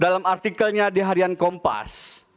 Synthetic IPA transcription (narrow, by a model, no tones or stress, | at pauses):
dalamart̪ikəlɲadiɦaɾiankɔmpa̰s